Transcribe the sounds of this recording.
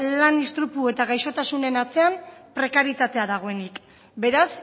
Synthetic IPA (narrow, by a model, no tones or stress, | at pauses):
lanist̪ɾupue̞t̪aɣajʃo̞t̪asune̞nat͡se̞ampɾe̞kaɾit̪at̪eaðaɣ̞o̞e̞nik | be̞ɾas